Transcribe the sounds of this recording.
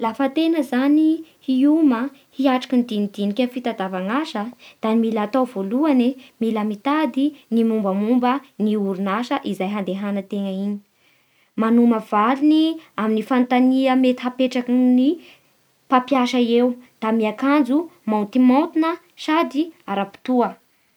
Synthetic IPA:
lafət̪enəzanihiuməhiaʈ͡ʂḁkind̪inid̪̥inikʲafit̪ad̪avaŋaʃəd̪̥animilat̪awvoluanemiləmit̪ad̪inimumbəmumbəniuɾunaʃəʔizajɦand̪eɦanət̪eŋəini̥ | manuməv̥aliniaminifant̪aniəmet̪i̥ɦapeʈ͡ʂakni | papjaʃaewd̪̥amiakand͡zumaunt̪imant̪inə | sad̪iaɾapi̥t̪uə

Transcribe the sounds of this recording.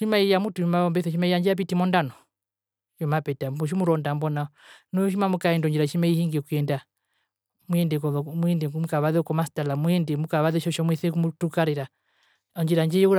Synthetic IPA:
ʃimaijamutumaɔmbɛθɛʃimaijaɲd͡ʒiap̬itimɔndanɔ | jɔmapɛtauʃ̬imuɾɔndambɔnanɔʃ̬imamukaɛndɔɲd͡ʒiɾaʃimaihiŋɡɛkuɛnda | muɛndɛkɔɔmuɛndɛmukaβaðɛkɔmastalamuɛndɛmukaβaðɛʃɔʃɔmwɛθɛkumutukaɾiɾa | ɔɲd͡ʒiɾaɲd͡ʒɛjɛuɾ

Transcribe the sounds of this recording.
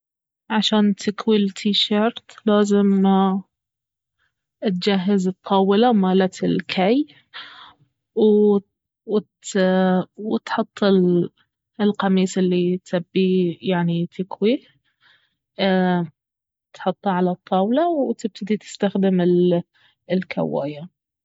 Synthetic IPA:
ʕaʃaːnt̪ʰɪkwilt̪ʰiʃɑɾt̪ˤlaːzɪm | t̪̚d͡ʒaɦːazɨt̪ˤːɑːwɪlawmaːlat̪ɪlkʰaj | w | wt̪ | wt̪ħʊt̪ˤːɪl | lqɑmiːsɪlːit̪abːijaʕnit̪ʰɪkwi | t̪ħʊt̪ˤːɑʕalat̪ˤːɑːwlawt̪ɪb̚t̪ʰɪd̪it̪ɪ̥st̪axd̪ɪmɪl | ɪlkʰa̰wːa̰ːja

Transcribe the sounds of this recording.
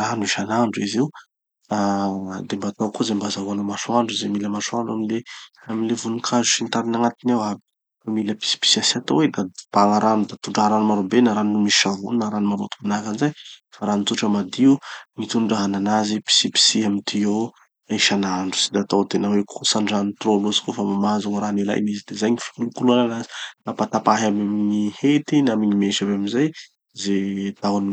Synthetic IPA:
anuiʃanaɳɖ͡ʐuiziw | ad̪embat̪awkuzambazaɦanəmasuaɳɖ͡ʐizemiləmasuaɳɖ͡ʐaminleaminlevunukʰazu̥sint̪aɾinaŋat̪inawabi̥ | amiləpi̥si̥pi̥siasat̪owed̪ab̥aŋaɾanud̪at̪uɳɖ͡ʐaɦaɾanumaɾobenaɾanumisi̥ʃavunnaɾanimaɾo̰t̪u̥manakanizajfaɾanit̪uʈ͡ʂəmad̪iuŋit̪uɳɖ͡ʐaɦananazipi̥sipi̥siamit̪io | iʃanaɳɖ͡ʐu̥si̥d̪aːt̪awt̪enəwekʰusaɳɖ͡ʐanit̪rolozi̥kofamamazuŋɾanila̰jmizid̪ezajŋifi̥nukuluananazi̥napat̪apaɦammiŋihet̪inamiɲimeʃabeamizaj | zet̪awan

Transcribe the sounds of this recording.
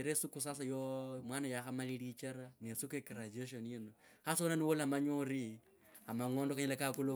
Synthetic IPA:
ɾesukus̬as̬ajomwanajaxamalilit͡ʃaɾanesukuekirad͡ʒeʃ̬onjino | xasonaniwolamaɲoɾi | amaŋoːndokaɲalakakulu

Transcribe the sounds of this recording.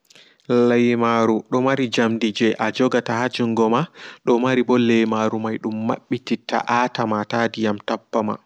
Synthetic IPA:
lajmaɾuɗɔmaɾid͡ʒamdid͡ʒɛʔad͡ʒɔɡatahad͡ʒuŋɡɔmaɗɔmaɾibɔlejmaɾumajɗumːa̰ɓːititːa̰ʔatamatadijamtapːama̰

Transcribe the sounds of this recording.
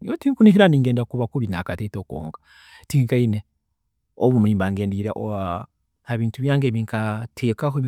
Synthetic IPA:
otiːŋkuniʃiɾaniːŋɡeːndakuβakuβinakatetoko̰ːŋɡa | tiŋkaine | oβumiːmbaŋɡeːndiɾaʔo | haβiːntuβjaːŋɡeβiŋkatʰeːkaɦo

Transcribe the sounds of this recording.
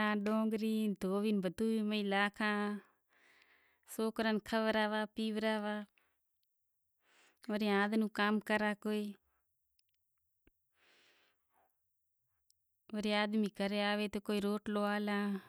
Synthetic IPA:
ãːɖõːŋɡɾiːnd̪oːʋinbʱət̪uːiːməilaːkʰãː | soːkɾənkʰəʋɾaːʋaːpiːʋɾaːʋaː | ʋəɾiaːd̪nũːkaːmkəɾaːkoːiː | ʋəɾiaːd̪miːkəɾeaːʋeːt̪oːkoːiɾoːʈloaːlãː

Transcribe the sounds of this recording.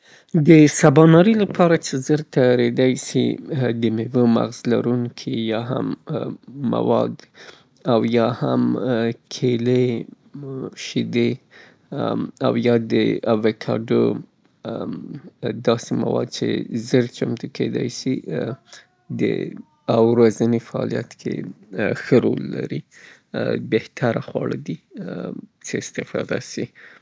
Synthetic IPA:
d̪əsabɑnɑɾilapʰɑɾat͡ʃezəɾt̪aɾed̪ajsḭd̪əmewəma̰ɣzlaɾuŋkʰijɑɦa̰mː | a̰wɑd̪ | awjɑhamkʰele | ʃid̪e | a̰wjɑd̪əawekʰɑɖə | d̪ɑsema̰wɑd̪̚t͡ʃḛzəɾt͡ʃamt̪uked̪ɑjsi | d̪ə̰ | awɾazənefaɑ̰lijat̪kʰḛxəɾolːa̰ɾi | beht̪ʰaɾaxwɑɭəd̪i | t͡səɪst̪ɪfɑd̪asi

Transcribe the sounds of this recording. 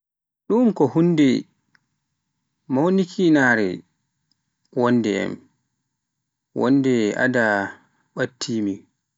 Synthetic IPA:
ɗumkɔhundɛ | mawnikʰinaɾɛ̰ | wɔnːdɛɛ̰m | wɔ̰ndɛa̰da | ɓatʰːiːmi

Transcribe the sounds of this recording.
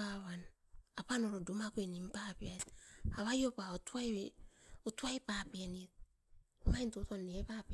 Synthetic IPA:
awan | apanoɾodumakuenimpapiatawajopaotuaj | utuajpapienit̚ | majntotonːeepap

